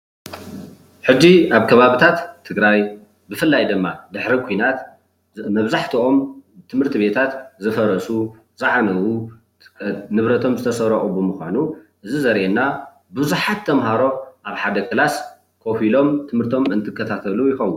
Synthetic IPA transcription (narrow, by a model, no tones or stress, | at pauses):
ħɨd͡ʒːiaβkʰɐβaβit̪ʰat̪ʰːɨɡɾaj | bɨfɨlːajd̪ɨmːad̪ɨħɾikʰujnat̪ | mɐβzaħt̪ʰio̞mt̪ʰɨmhɨɾt̪ʰiβe̞t̪ʰat̪zɨfɐɾɐsu | t͡sʼaʕnɐwu | nɨβɾɐt̪ʰo̞mzɨt̪ʰɐsɐɾɐʔʼubɨmɨxʷa̰nuʔɨzizɐɾʔenːa | bɨzuħat̪ʰːɐmɦaɾo̞ʔaβħad̪ɐkʰɨlas | kʰo̞filo̞mt̪ʰɨmhɨɾt̪ʰo̞mɨnt̪ʰɨkʰːɐt̪ʰat̪ʰɐlujɪxɐwːun